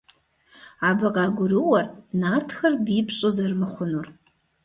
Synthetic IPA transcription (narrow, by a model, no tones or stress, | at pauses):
abaqaːɡʷʊɾɨwɐrnartʰxɐrbiːpʰɕʷʼozɐrmɨχʷʊnur